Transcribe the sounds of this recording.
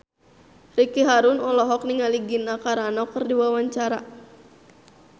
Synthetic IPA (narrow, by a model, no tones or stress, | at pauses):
rikiɦaɾʊnɔlɔɦɔk̚niŋaliɡinakaɾanɔkərdiwawaɲt͡ʃaɾa